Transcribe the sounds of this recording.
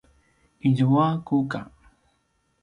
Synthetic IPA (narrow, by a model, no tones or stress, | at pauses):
iʎuwakuka̰